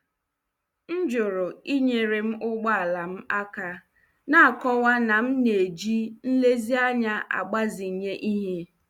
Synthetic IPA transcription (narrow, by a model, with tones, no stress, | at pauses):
n̩˦d͡ʒʊ˨ɾʊ˨i˦ɲe˨ɾe˨m̩˦ʔʊ˦ɡ͡ba˦a˨la˨m̩˦a˦ka˦ | na˦a˨kɔ˦wa˦na˨m̩˦ne˨d͡ʒi˦n̩˦le˦zi˦a˦ɲa˦ʔa̰˨ɡ͡ba˦zi˨ɲe˦ʔi˦ɦe˦